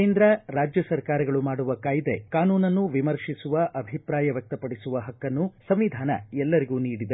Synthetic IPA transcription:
eːnd̪ɾɐɾaːd͡ʒjɐsɐɾkaːɾɐɡɐɭumaːɽuʋɐkaːjid̪e̞kaːnuːnɐnːuʋimɐɾʂisuʋɐʔɐbʱipɾaːjɐʋjɐk̚t̪ɐpɐɽisuʋɐɦɐkːɐnːusɐmʋid̪ʱaːnɐ̰ɛlːɐɾiɡuːniːɽid̪e

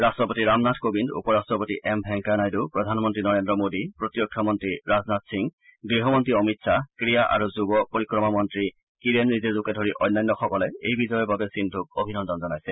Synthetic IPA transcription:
ɹastɔpotiɹamnatʰkobindṵpɔɹastɹɔpotiʔɛmbʱɛŋkanajdupɹɔdʱanmɔntɹinɔɹendɹɔmodipɹotijɔk̚tʰɔmɔntɹiɹaznatsiŋɡɹiɦɔmɔntɹiɔmitsakɹijaʔa̰ɹuzubɔpoɹikɹɔmamɔntɹi | kiɹenːizezukɛdʱoɹiʔɔjnːajnːɔxɔkɔlɛejbizɔjɔbabɛsindʱuk̚obʱinɔndɔnzɔnajsɛ

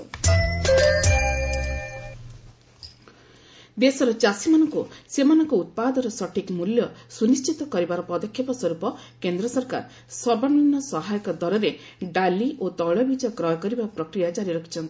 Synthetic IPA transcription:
d̪esɔɾɔt͡ʃasimanɔŋkusemanɔŋkuut̪̚pad̪ɔɾɔsɔʈʰikmuljɔsunist͡ʃit̪ɔkɔɾibaɾɔpɔd̪ɔkʰjɔpɔsɔɾupɔ | kend̪ɾɔsɔɾka̰ɾ | sɔbɔninːɔsɔɦajɔkɔd̪ɔɾɔɾe | ɖaliʔot̪ɔɭɔbid͡ʒɔjɔkɾɔjkɔɾibapɾɔkɾijad͡ʒaɾiɾɔkʰi̥t͡ʃʰɔnt̪i̥

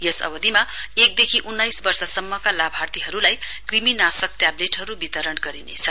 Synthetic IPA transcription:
jʌsʌ̰bʌd̪imaek̚d̪ekʰiʔunːajsbʌrsʌsʌmːʌkalabʱart̪iɦʌɾulajkriminasʌk̚ʈjableʈɦʌɾubit̪ʌɾʌnɡʌɾinḛt͡sʰʌ

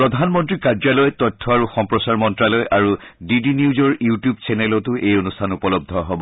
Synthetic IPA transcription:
pɹɔd̪ʱanmɔntɹikad͡ʒalɔjtɔtʰːɔaɹuxɔmpɹɔsaɹmɔntɹalɔjʔaɹudidiniuzɔɹjutijubsɛnɛlɔtʊʔejonustʰanupɔlɔb̚d̪ʱɔɦɔbɔ

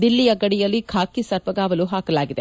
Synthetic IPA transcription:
d̪ilːijɐɡɐɽijɐlːikʰaːkisɐɾʋɐɡaːʋɐluɦaːkɐlaːɡid̪e

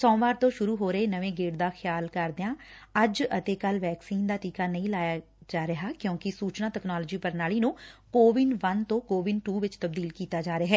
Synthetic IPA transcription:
sɔ̃ːʋaːɾt̪õːʃʊɾuːɦoːɾəeːnəʋẽːɡeːɽd̪aːkʰɪjaːlkəɾd̪eãː | əd͡ʒət̪eːkəlʋɛːksiːnd̪aːʈiːkaːnəĩːlaːjaː | d͡ʒaːɾəɦaːkjõːkɪsuːt͡ʃnãːʈ̪ɛːknaːlːd͡ʒiːpəɾnaːliːnũːkoːʋɪnɖʋənt̪õːkoːʋɪnʈuːʋɪt͡ʃt̪əb̚d̪iːlkiːt̪aːd͡ʒaːɾaːɦɛː

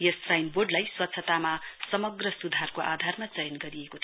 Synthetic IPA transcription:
jʌsrajnboɖlajswʌt̪ːsʰʌt̪amasʌmʌɡrʌsud̪ʱarkoʔa̰d̪ʱarmat͡sʌjʌnɡʌɾiekot̪ʰ

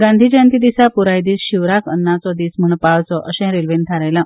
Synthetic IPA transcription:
ɡãnd̪ʱiːd͡ʑãnt̪id̪isapuɾajd̪iːsɕiʋɾakənːat͡sɔd̪iːsm̤əɳpawt͡sɔʔəɕɛ̃ɾelʋent̪ʰaɾajla

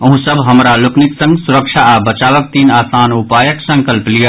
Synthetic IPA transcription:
ɐɦũsəbɦɐmɾalʊknɪksə̃ŋɡsʊɾəkʃʰabət͡ʃaːʋək̚t̪iːnaːsaːnupaːjəksɐ̃ŋkəlplija

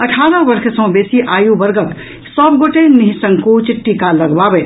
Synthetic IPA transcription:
əʈʰaːɾə̃bəɾkʰsə̃besiʔajubəɾɡək | səbɡoʈeniɦisə̃ŋkut͡ʃʈikaləɡbabe

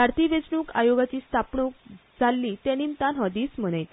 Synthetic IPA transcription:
aɾt̪iʋet͡snuːkajoɡat͡ɕiːst̪ʰapɳuk̚d͡zalːiːt̪ɛ̃nimt̪anɦɔd̪iːsm̤əɽ̃əjt̪

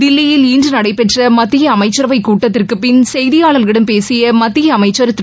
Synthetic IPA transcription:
d̪ɪlːɪjɪliːndrɯnɐɽɐɪpɛʈrɐmɐt̪ːɪjɐːmɐɪt͡ʃːɐɾɐʋɐɪkːuːʈːɐt̪ːɪrkɯpːɪnsɛjðɪjaːɭɐlɣɪɽɐmpeːsɪjɐmɐt̪ːɪjɐːmɐɪt͡ʃːɐɾɯt̪ːɾ

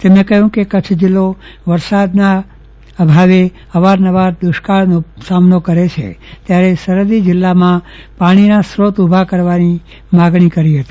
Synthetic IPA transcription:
t̪emẽkəɦũkekət͡ʃʰd͡ʒɪlːoʋəɾsad̪na | əbʱaʋe | ɦəʋaɾnəʋaɾd̪ʊʃkaɭnosamnokəɾet͡ʃʰḛt̪jaɾesəɾəd̪id͡ʒɪlːamãpaɽ̃inasɾot̪ubʱakəɾʋani | maɡɳ̃ikəɾiɦət̪i

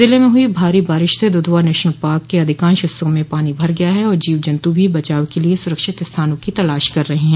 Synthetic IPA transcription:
zɪlemẽɦʊibʱaːɾibaːɾɪʃsed̪ʊd̪ʱʋaːnɛːʃnəlpaːɾkːeɐd̪ʱɪkãːnʃɪsõmẽpaːnibʱɐɾɡɐjaɦɛɔːɾd͡ʒiːʋd͡ʒɐ̃nt̪ubʱibɐt͡ʃaːʋkeliesʊɾəkʃɪt̪ɪst̪ʰaːnõkit̪ɐlaːʃkɐɾːɐɦeɦɛ̃ː

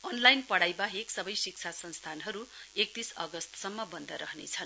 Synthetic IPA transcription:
ʌnlajnpʌɽajbaɦeksʌbʌjsik̚t͡sʰasʌnst̪ʰanɦʌɾuek̚t̪isʌ̰ɡʌst̪sʌmːʌbʌnd̪ʱʌɾʌɦnḛt͡sʰʌn

